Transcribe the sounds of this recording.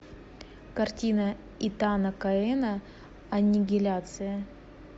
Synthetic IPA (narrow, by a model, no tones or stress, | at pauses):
kɐrtʲinə | it̪anəkɐɛnə | ɐnʲɪɡʲɪlʲat̪sɨjə